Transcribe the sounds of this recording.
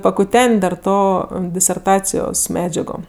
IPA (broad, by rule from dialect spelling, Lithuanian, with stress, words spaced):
pɐkʊˈtʲɛnʲtʲ dɐr ˈtoː dʲɪsʲɛrˈtɑːt͡sʲɪjoːs ˈmʲæːd͡ʒʲɛɡoː